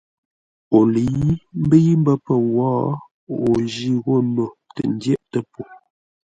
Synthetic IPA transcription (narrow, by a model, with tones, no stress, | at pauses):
o˨lə˨ji˦m̩˦bə˦ji˦m˦bə˦pə˨wɔː˦ | o˨d͡ʒi˦ɣo˦˨no˨tə̰˨n˦djɛ˦ʔtə˦po˨